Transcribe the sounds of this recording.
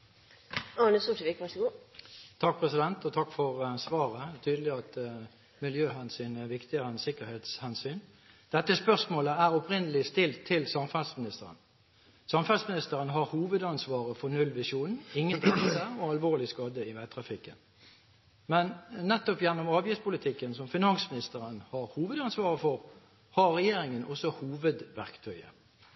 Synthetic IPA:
ɑnəsuʂəʋɪkːʋæʂɔɡoːt̪ʰɑk̚pʰʁɛsɪd̪ɛnt̪ɔt̪ʰɑkfɔʁsʋɑːʁət̪ʰyːd̪əlɪɑt̪ | mɪljøːɦɑnsɪnʋɪkt̪ɪəʁənsɪkəɾheːt̪shɛnsyːn | d̪̥ɛt̪ːəspœʁsmoːləæʁɔpʰʁɪnəlɪst̪ɪlt̪ʰːɪlsɑmfɑlsmɪnɪst̪əʁə̰n | sɑmfɑlsmɪnɪst̪əʁənɦɑʁhuːʋəd̪ɑnsʋɑːʁəfɔnʉlʋɪsuːnɪŋːənt̪ʰɛŋd̪əsəɔɑlʋoːlɪskɑːd̪əɪʋɛt̪ʰʁɑfɪkːə̰n | mɛnːɛt̪ːɔpjɛnːɔmɑːʋjɪft̪pʰʊlɪt̪ʰɪkːənsɔmfɪnɑŋsmɪnɪst̪əʁənhɑʁhuːʋəd̪ɑnsʋɑːʁəfɔʁ | hɑʁɛjeːɾɪŋənʔɔsɔhuːʋəd̪ʋæʁkt̪ʰœʏə̰

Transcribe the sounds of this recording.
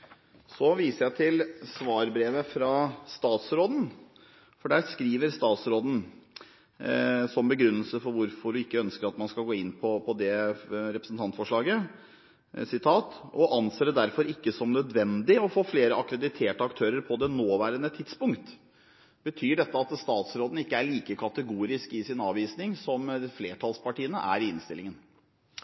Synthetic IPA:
sɔʋiːsəɾjæɪt̪ʰɪlsʋɑːɾbɾeːʋəfɾɑst̪ɑːt̪sɾoːd̪n̩ | fɔɖæːɾskɾiːʋəɾst̪ɑːt̪sɾoːd̪n̩ | sɔmbəɡɾʉnːəlsəfɔɾʋʊɾfɔɖʉɪkːəœnskəɾɑt̪mɑnskɑlɡoːɪnːpʰɔpʰɔd̪ɛɾɛpɾəsn̩t̪ʰɑnt̪fɔʂɭɑːɡə | sɪt̪ʰɑːt̪ɔʔɑnseːɾəd̪æɾfɔɾɪkːəsɔmnœd̪ʋɛnd̪ɪɔfoːfleːɾəʔɑkɾɛd̪ɪt̪ʰeːʈəɑkt̪ʰøːɾəɾpʰɔd̪ɛnoːʋæːɾənət̪ʰɪt̪spʊŋkt̪ | bət̪ʰyːɖɛt̪ːəɑt̪st̪ɑːt̪sɾoːd̪n̩ɪkːəæɭiːkəkʰɑt̪əɡuːɾɪskɪsɪnɑːʋiːsnɪŋsɔmdfleːʈʰɑlspʰɑʈiːənə̰ʔæ̰ɾɪɪnst̪ɪlɪŋən

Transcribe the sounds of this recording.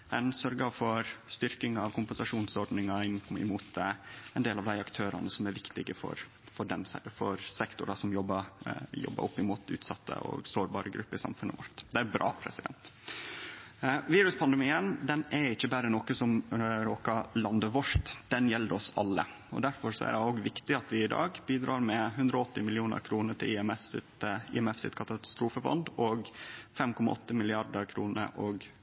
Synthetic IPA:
ɛnsœɾɡɑfɔɾst̪ʏɾkɪŋɑʋkʰʊmpɛnsɑʂuːnsɔɾɖnɪŋɑɪnɪ̰muːt̪ɛnd̪eːlɑʋd̪æɪɑkt̪ʰøːɾɑ̰nəsɔmæɾʋɪkt̪ɪɡəfɔ̰ɾ | fɔɖɛnsæ̰fɔɾsɛkt̪ʊɾɑsɔmjɔbːəjɔ̰bːə̰ʔɔpːɪmuːt̪ʉ̰ːt̪sɑt̪ʰːə̰ɔ̰ɡsoːɾbɑːɾəɡɾʉpːəɪsɑ̰mfʉnʔə̰ʋɔ̰ɾt̪d̪ɛæbɾʔɑ̰ːpʰɾɛsɪd̪ɛ̰nt̪ | ʋiːɾʉspʰɑnd̪əmiːənd̪ɛnæɾɪçːəbæːɾənoːkəsɔmɾoːkɑlɑnd̪əʋɔɾt̪d̪̥ɛnjɛlːəɔsɑ̰lːə̰ | ɔ̰d̪æɾfɔɾsɔæ̰ɾɛoːɡʋɪkt̪ɪɑt̪ʋɪɪd̪ɑ̰ːɡbiːd̪ɾɑːɾmɛɦʉnd̪ɾɔɔt̪ːɪmɪlɪuːnə̰ɾkʰɾuːnəʈ̪ɪlɪɛmɛt̪ɪ̰ɛmɛfsɪ̰t̪kʰɑt̪ɑst̪ɾuːfəbɔ̰nd̪ɔɡfɛmkɔmɑ̰ʔɔt̪ːəmɪlɪɑɾɖ̪əɾkʰɾuːnə̰ɾʔoɡ

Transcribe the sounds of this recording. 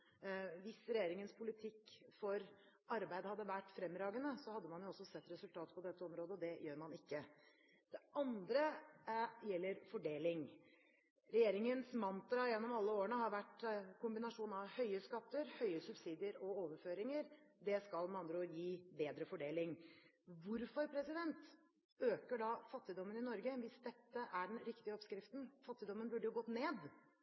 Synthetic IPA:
ʋɪsɾɛjeːɾɪŋənspʰʊlɪt̪ʰɪkːfɔɾ | ɑɾbæɪd̪hɑd̪ːəʋæʈːfɾɛmːɾɑːɡənəsɔhɑd̪ːəmɑnjʊɔsːɔsɛt̪ːɾɛsʉlt̪ʰɑːt̪pʰɔd̪ɛt̪ːəɔmɾoːd̪əɔd̪ɛjøːɾmɑnɪkːə | d̪̥ɛʔɑnd̪ɾə | jɛlːəɾfɔɖeːlɪŋ | ɾɛjeːɾɪŋənsmɑnt̪ɾɑjɛnːɔmɑlːəoːəɳəhɑɾʋæʈːkʊmbɪnɑʂuːnɑʋhœʏəskɑt̪ːəɾhœʏəsʉbsiːd̪ɪəɾɔoːʋəɾføːɾɪŋəɾd̪ɛskɑlmɑnd̪ɾɔjiːbeːd̪ɾəfɔɖeːlɪŋ | ʋʊɾfɔɾpʰɾɛsɪd̪ɛnt̪ | øːkəɖɑfɑt̪ːɪd̪ɔmːənɪnɔɾɡəʋɪsd̪ɛt̪ːəʔæɖɛnɾɪkt̪ɪəɔpskɾɪft̪n̩fɑt̪ːɪd̪ɔmːənbʉɖːəjʊɡɔt̪ːneːd̪

